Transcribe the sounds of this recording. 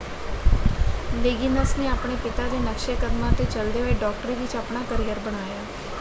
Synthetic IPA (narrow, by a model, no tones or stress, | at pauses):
leːɡɪnəsneːaːpɳ̃eːpɪt̪aːd̪eːnəkʃekəd̪mãːt̪eːt͡ʃəld̪eːoeːɖɔːk̚ʈɾiːʋɪt͡ʃaːpɳaːkəɾijəɾbəɽ̃aːjaː